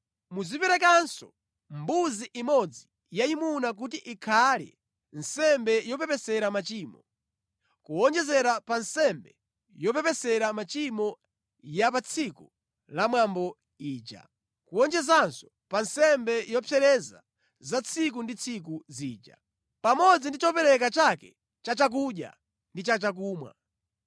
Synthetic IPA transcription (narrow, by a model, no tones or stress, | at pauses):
muzipɛɾɛk̬ansɔ | mbuziʔimɔd͡zi | jaimunak̬utiʔikʰalɛ̰ | nsɛmbɛjɔpɛpɛsɛɾamat͡ʃiːmɔ | kuɔnd͡ʒɛzɛɾapansɛmbɛ | jɔp̬ɛpɛsɛɾamat͡ʃimɔ | japat͡sʰiku | lamwambɔ | iːt͡ʃa̰ | kuɔnd͡ʒɛzansɔ̥ | pansɛmbɛjɔpʰɛɾɛza | zat͡sʰik̬undit͡sʰik̬uziːd͡ʒa̰ | pamɔd͡zindit͡ʃɔpɛɾɛk̬at͡ʃakɛ | t͡ʃat͡ʃak̬uɗja̰ | ndit͡ʃat͡ʃak̬uːmwa̰